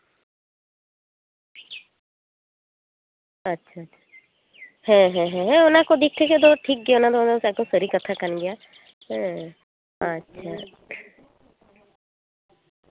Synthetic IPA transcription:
ətːʃʰaətːʃʰa | hɛ̃ɦɛ̃ɦɛ̃ɦɛ̃ʊnãkod̪ik̚ʰt̪ʰeked̪oʈʰik̚ɡijaʊnad̪onasɛk̚d̪õmsəɾikət̪ʰakənɡɪja | ɦɛ̃ | ɦaətːʃʰa

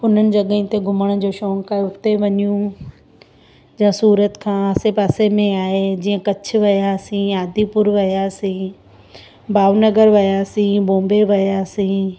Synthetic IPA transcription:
ʊn̤ənɪ̆d͡ʑɐɠəɪ̃t̪eɡʱʊməɽ̃d͡ʑoːʃɔ̃ːŋkaːɦeʊt̪ːeʋɐɲijũ | d͡ʑãsuːɾət̪kʰãːəsepaːsemẽaːɦed͡ʑiːə̃kɐt͡ɕʰʋɐjasĩaːd̪ʱipʊɾʋɐjasĩ | baːʋnəɡəɾʋɐjasĩbõːmbeʋɐjasĩ

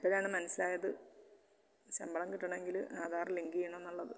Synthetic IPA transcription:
ipːɐɾaːɳɨmɐnɐsːilaːjɐðɨ | ɕɐmbɐɭɐmkiʈːɐɳɐme̞ŋɡilhaːðaːrɐliŋɡijɐɳɐmenːuɭːɐðɨ

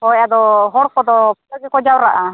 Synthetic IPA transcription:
hɔjad̪ɔɦɔɾkɔd̪ɔpɔɡɛkɔd͡ʒawɾaʔa

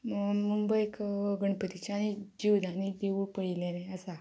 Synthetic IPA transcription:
mumbəjkɡəɳpət̪it͡ɕañid͡ʑiwd̪ʱañid̪eupəɭileneəsa

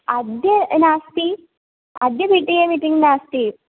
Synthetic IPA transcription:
ɐd̪jɐnaːst̪i | ɐd̪jɐbiʈːijeːmiʈiŋɡnaːst̪i

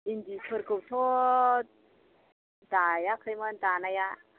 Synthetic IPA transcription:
indikʰəɾkəwt̪ʰo | d̪ajakʰəjmənt̪anaja

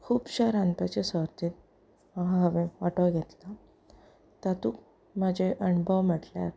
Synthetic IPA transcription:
kʰuːbɕaɾãnpat͡ɕesəɾt̪iːt̪̚ | maɦãɦəʋẽaʈəɡʱet̪la | t̪at̪uːk | mad͡ʑeʔəɳbʱəʋməʈlja̰ɾ

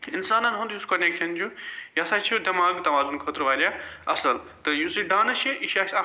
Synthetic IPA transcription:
insaːnɐnɦõnd̪juskɐneːkʃɐnd͡ʒujɐsaːt͡ʃʰiud̪ɐmaːɡt̪ɐʋaːzunkʰoːt̪ɾʋaːlʲjaɐsɐlt̪ɨjusiɖaːnɐt͡ʃʰiʔiʃaːs

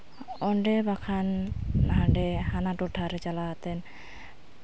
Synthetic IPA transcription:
ɔɳɖɛbakʰanːaɦaɳɖɛhanatɔʈʰaɾɛt͡ʃalat̪ɛn

